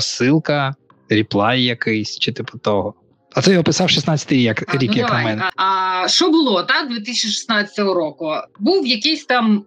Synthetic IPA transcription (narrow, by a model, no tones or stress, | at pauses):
sɪlˠkɐ | ɾʲiplˠɑjjɐkɪjsʲt͡ʃɪt̪ɪpʊt̪ɔɦɔ | ɐt̪ɛjɔpɪsɑwʃisnɑtt͡sʲːɐt̪ɨɪɾʲijɐkɾʲikjɐknɐmɛnɐɐʃt͡ʃɔbʊlˠɔt̪ɑkd̪ʋʲɪt̪̬ɪsʲt͡ʃiʃɪ̥snɑt͡sʲɐ̥t̪ɔɦɔɾɔkʊbuwjɐkɪsʲt̪ɑm